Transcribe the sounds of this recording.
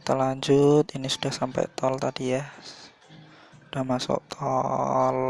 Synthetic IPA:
t̪əlaɲd͡ʒut̪inisud̥ahsampɛ̰jt̪ɔlt̪adijah | ud̥ahmasɔ̰ʔt̪ʰɔl

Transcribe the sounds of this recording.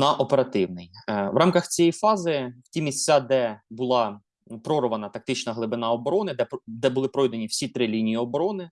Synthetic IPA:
nɐʔɔpeɾɐt̪ɪwnɪjʋɾɑmkɐxt͡sʲijɛjfɑzɪw̥tʲimʲisʲt͡sʲad̪ɛbʊlˠɑ | pɾɔɾʋɐnɐt̪ɐk̚t̪ɪt͡ʃnɐɦlˠɪbɪnɑɔbɔɾɔnɪd̪ɛpd̪ɛbʊlˠɪpɾɔjd̪ɐnʲiwsʲit̪ɾɪlʲinʲijiɔbɔɾɔnɪ

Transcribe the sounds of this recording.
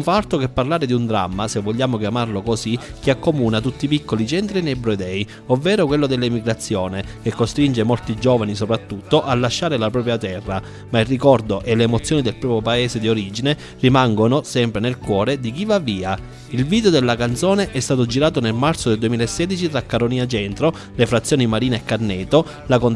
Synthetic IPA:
uɱfaɾt̪okepːarlaːɾed̪iund̪ɾa̰mːasevːoʎːaːmokjamarlokosik̟iakːomuːnat̪̬ut̪ːipikːolit͡ʃɛnt̪ɾinebɾod̪ɛj | ovːɛːɾokwelːod̪elːimiɡɾat̪sːjoːnek̟ekːost̪ɾind͡ʒemolt̪id͡ʒɔːvanisopɾat̪ːut̪ːoʔalːaʃːaːɾelapɾɔːp̬ɾjat̪ɛrːa | mairːikɔrd̪oʔɛleːmot̪sːjoːnid̪elpɾɔːpjopaeːsed̪ioɾid͡ʒine | rimaŋɡonosɛmpɾenelkwɔːɾed̪ik̟ivavːiːa | ilviːd̪eod̪elːakant̪sɔːneʔɛst̪aːt̪od͡ʒiɾaːt̪onelmaɾt̪sod̪eld̪uemiːlaesːɛːd̪it͡ʃit̪ɾakːaɾoniːat͡ʃɛnt̪ɾo | lefɾat̪sːjoːnimaɾiːneekːarnɛːt̪o | lakon

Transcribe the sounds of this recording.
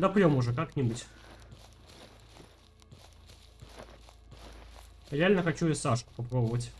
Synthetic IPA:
d̪ɐpɾʲɔmuʐɐkaknʲɛbut͡sʲ | ɾʲɛalʲnəxat͡ɕujasaʂkʊ̥papɾɔbɐvət͡sʲ

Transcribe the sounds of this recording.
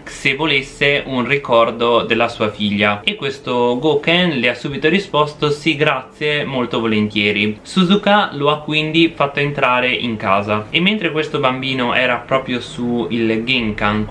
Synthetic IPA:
sevːolesːeʔunrikɔrd̪od̪elːasuːafiʎːaekːwest̪oɡoːkɛnleasːuːbit̪oɾispɔst̪osiɡɾat̪sːjemolt̪ovolent̪jɛːɾisuzukaloakːwind̪ifat̪ːoent̪ɾaːɾeʔḭŋkaːzaemːent̪ɾekwest̪obambiːnoɛ̰ːɾapɾɔːpɾjosuilɡiŋkaŋ

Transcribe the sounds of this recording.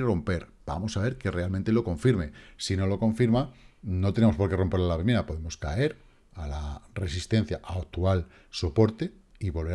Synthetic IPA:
ro̞mpe̞ɾb̥a̰mo̞saβe̞ɾke̞re̞almẽnt̪e̞lo̞ko̞ɱfiɾme̞sino̞lo̞kõ̞ɱfiɾmano̞t̪e̞nemospo̞ɾke̞ro̞mpe̞ɾlalaβemeɾapo̞ðe̞mo̞ska̰e̞ɾ | alare̞sist̪e̞n̟θjaʔaak̚t̪ual | so̞po̞ɾt̪e̞ | iβo̞lβe

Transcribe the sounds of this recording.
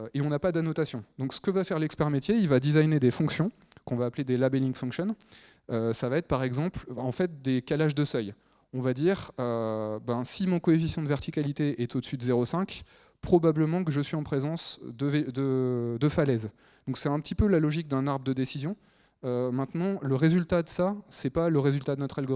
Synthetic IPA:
eɔ̃napad̪anɔt̪asjɔ̃d̪ɔ̃ksə̥kəvafɛʁlɛkspɛʁmet̪jeilvad̪izajned̪efɔ̃ksjɔ̃kɔ̃vaːpled̪elabɛlĩŋɡfɔ̃kʃɔn | øsavaɛt̪χpaʁɛɡzɑ̃plɑ̃fɛt̪̚d̪ekalaʒd̪əsœj | ɔ̃vad̪iʁøbɛ̃simɔ̃kɔefisjɑ̃d̪əvɛʁt̪ikʲalit̪eɛt̪od̪əsyd̪əzeʁosɛ̃k | pχɔbabləmɑ̃kəʒəsɥiɑ̃pχezɑ̃sd̪əvd̪əd̪əfalɛz | d̪ɔ̃ksɛt̪ɛ̃pət̪ipølalɔʒik̚d̪ɛ̃naʁbʁd̪əd̪esizjɔ̃ | ømɛ̃t̪nɑ̃ləʁezylt̪ad̪əsasɛpaləʁezylt̪ad̪ənɔt̪χalɡo

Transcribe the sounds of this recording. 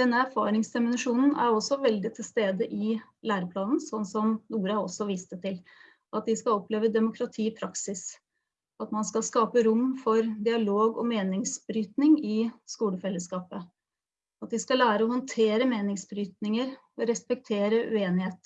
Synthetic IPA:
d̪ɛnːəæɾfɑ̰ːɾɪŋsd̪ɛmʊnɪʂuːnn̩æ̰ɾɔsɔʋɛld̪ɪt̪ʰːɪlst̪eːd̪əʔɪlæːɾəpʰlɑːnn̩sɔnːsɔmnuːɾəɑɔsːɔʋiːst̪ət̪ʰɪl | ɑt̪̚d̪ɪskɑɔpleːʋəd̪ɛmʊkʰɾɑt̪ʰiːpʰɾɑksɪs | ɑt̪mɑnskɑlskɑːpəɾʊmːfɔɾd̪ɪɑloːɡɔ̰meːnɪŋsbɾyːt̪nɪŋɪskuːləfɛlːəskɑːpə | ɑt̪̚d̪ɪskɑlæːɾəɔhɔnt̪ʰeːɾəmeːnɪŋsbɾyːt̪nɪŋəɾ | ɔɾɛspɛk̚t̪ʰeːɾəʔʉ̰eːnɪheːt̪

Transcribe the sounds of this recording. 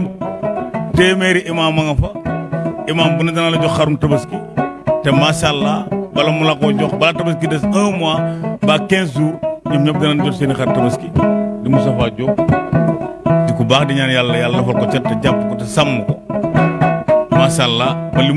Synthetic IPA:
teːmeːɾiʔimaːmːɐŋɐfɐ | imaːmbunɐdɐnalːɐɟɔkxaɾuntɐbɐskitemaʃalːabɐlɐmulakoɟɔxbɐlatɐbɐskidɐsɐ̃ːmwabaːkens̬uːɲɐfɲɐfdɐnanɟɔkseːnixaɾtɐbɐskidimusɐfaɟo | dikubaːkdiɲaːnjalːɐjalːɐfɐlkot͡ʃɛtːɐɟapːkɔtisamːuko | maʃalːabɐli

